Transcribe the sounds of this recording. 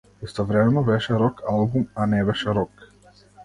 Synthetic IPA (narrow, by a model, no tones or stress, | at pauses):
ist̪ɔvɾɛmɛnɔbɛʃɛɾɔkalˠbumanɛbɛʃɛɾɔk